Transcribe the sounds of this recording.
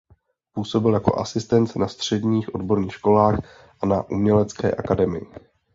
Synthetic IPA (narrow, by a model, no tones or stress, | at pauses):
puːso̞bɪljako̞̰ʔa̰sɪst̪ɛnt̪nast̪r̝̥ɛdɲiːxʔo̞dbo̞ɾɲiːxʃko̞laːx | ʔanaʔumɲɛlɛt͡skɛ̰ːʔakadɛmɪjɪ